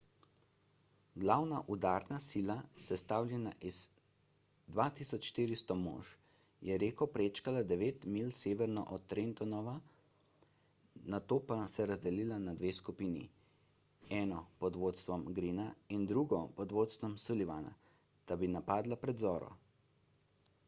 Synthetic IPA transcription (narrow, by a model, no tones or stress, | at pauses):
ɡlawnaʔud̪aɾnasiːlasɛst̪aːwlʲjɛnaʔiz̥ | d̪ʋat̪isɔt͡ʃʃt̪iːɾist̪ɔmo̰ːʃ | jɛɾeːkɔpɾeːt͡ʃkalad̪ɛʋeːt̪milseːʋɛɾnɔ̰ʔɔt̪ːɾent̪ɔnɔʋa | nat̪oːpasɛɾazd̪ɛliːlanad̪ʋeːskupiːnḭ | ɛːnɔpɔd̪ʋoːt̪st̪ʋɔmɡɾiːnaind̪ɾuɡɔpɔd̪ʋoːt̪st̪ʋɔmsuliʋana̰ | t̪abinapaːd̪lapɾɛd̪zɔːɾɔ̰